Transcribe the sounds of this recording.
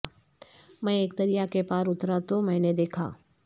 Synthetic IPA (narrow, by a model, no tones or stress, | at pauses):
mɛ̃eːk̚t̪ɐɾijakepaːɾʊt̪ɾat̪omɛ̃ːned̪eːkʰa̰ː